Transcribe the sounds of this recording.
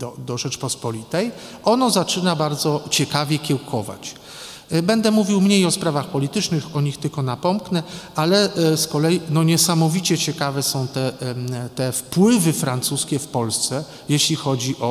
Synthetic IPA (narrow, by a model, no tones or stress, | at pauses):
d̪ɔd̪ɔʐɛt͡ʂpɔspɔlʲit̪ɛjʔɔnɔzat͡ʂɘnabaɾd̪zɔt͡ɕɛkavʲjɛkʲɛwkʰɔva̰t͡ɕ | bɛnd̪ɛmuvʲiwmɲejɔspɾavaxpɔlʲit̪ɘt͡ʂnɘxɔɲixt̪ɘlkɔnapɔmknɛʔalɛskɔlɛjinɔɲɛsamɔvʲit͡ɕɛt͡ɕɛkavɛsɔ̃w̃t̪ɛt̪ɛfpwɘvɘfɾant̪suskʲɛfpɔlst̪sɛ | jeɕlʲixɔd͡ʑiʔɔ